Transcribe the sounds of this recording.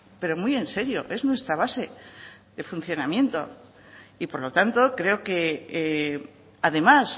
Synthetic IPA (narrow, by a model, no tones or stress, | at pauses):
pe̞ɾo̞mwuije̞nse̞ɾjo̞̰ʔe̞znwe̞st̪ɾaβ̞ase̞ | ðe̞fun̟θjo̞namjẽ̞nt̪o̞̰ | ipo̞ɾlo̞t̪ant̪o̞kɾe̞o̞ke̞ | aðe̞mas